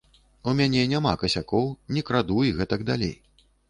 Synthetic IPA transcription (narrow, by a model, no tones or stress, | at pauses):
umʲanʲɛnʲama̰kɐsʲakɔwnʲikɾad̪ujiɣɛt̪ɐɡd̪alʲḛj